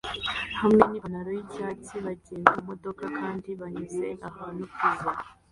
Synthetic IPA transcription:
hamŋenianaɾojiɟaːciβaɟeːnɡumo̞do̞kakʰaːndiβaɲize̞ʔahaːnukuza

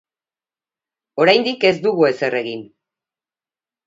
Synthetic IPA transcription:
o̞ɾajnd̪ike̞zd̪uɣue̞se̞re̞ɣin

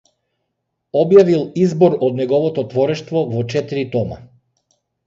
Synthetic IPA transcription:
ɔbjavilˠizbɔɾɔd̪nɛɡɔvɔt̪ɔt̪vɔɾɛʃt̪vɔvɔt͡ʃɛt̪iɾit̪ɔma̰

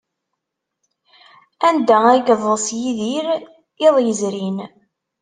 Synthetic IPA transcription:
ænd̪ææɡðˤsjiðiɾ | ɪðˤjəzɾin

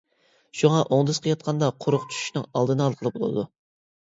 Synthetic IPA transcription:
ʃuŋɑʔoŋd̪ɨzqʰəjɑt̪̚qʰɑnd̪ɑqʰʊɾʊqt͡ʃʰy̥ʃy̥ʃnɨŋɑlˠd̪ɨnɨɑlˠqʰəlˠɨpbolˠɨ̰d̪u

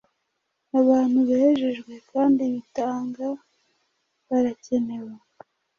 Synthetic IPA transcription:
aβaːn̥huβaheʒe̞ʒɡwe̞kaːndiβitaːŋɡa | βaɾace̞ne̞we

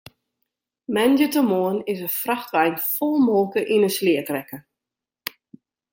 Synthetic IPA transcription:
mɛndjətəmoənɪsəfraxtʋɛjnfɔlˠmolˠkəʔinəslɪətrɛkə

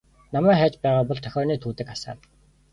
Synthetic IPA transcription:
namæːχæːt͡ɕpæːʁaːpɔɮt̪ʰœxʲɔːniːt̪ʰuːt̪ɘ̆kasa̰ː

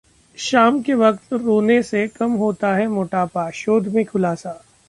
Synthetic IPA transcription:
ʃaːmkeʋɐq̚t̪ɾoːnesekɐmɦoːt̪aɦɛmoːʈaːpaːʃoːd̪ʱmẽkʰʊlaːsaː

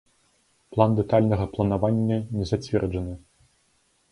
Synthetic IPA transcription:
plˠand̪ɛt̪alʲnɐɣɐplˠɐnavanʲːɐnʲɛzat͡sʲvʲɛrd͡ʐɐnɨ

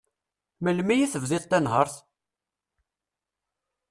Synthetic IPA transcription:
məlmijiθəvðɪðˤt̪ːænɦəɾˤθ

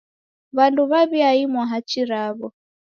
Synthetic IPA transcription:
βanduβaβiaimwaɦat͡ʃiɾaβɔ

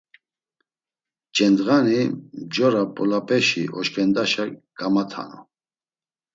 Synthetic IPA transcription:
d͡ʒɛnd̪ɣanid͡ʒɔɾapʼɔlapʼɛʃiʔɔʃkʰʼɛnd̪aʃaɡ̥amat̪ʰa̰nɔ̰

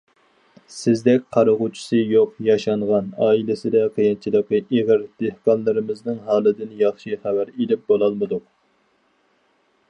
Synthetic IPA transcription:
sɪzd̪ɛkʲqʰɑɾəʁut͡ʃʰu̥sɨjoqjɑʃɑɴʁɑnɑːilɪsɨd̪ɛqʰəjɪnt͡ʃʰilˠəqːɨʔeʁɨɾd̪̥ehkɑnlˠɨɾɪmɪznɨŋɦɑːlˠɨd̪ɪnjɑχʃiχæwæɾelɪp̚bolˠɑlˠmɨd̪uq̚

